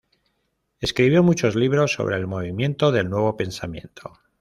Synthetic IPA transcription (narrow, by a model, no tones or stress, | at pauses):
e̞skɾiβjo̞mut͡ʃo̞zliβ̞ɾo̞sːo̞̰β̞ɾe̞ːlmo̞β̞imjẽ̞nt̪o̞ðe̞lnwe̞β̞o̞pe̞nsamjẽ̞̰nt̪ʰo̞